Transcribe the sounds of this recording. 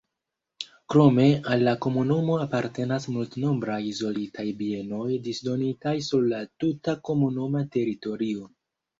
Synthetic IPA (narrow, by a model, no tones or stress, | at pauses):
kɾo̞me̞alːako̞munumo̞apaɾte̞nasmultno̞mbɾajizo̞litʰajbie̞no̞jdisdo̞nitajsuɾlatutako̞munumate̞ɾito̞ɾio̞